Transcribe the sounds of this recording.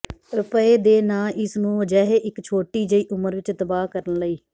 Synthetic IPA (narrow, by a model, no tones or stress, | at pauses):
ɾʊpəeːd̪eːnaːʔɪsnũːʋəd͡ʒɛːɦeːʔɪkt͡ʃʰoːʈiːd͡ʒəiːʔʊməɾʋɪt͡ʃt̪əbaːkəɾənləiː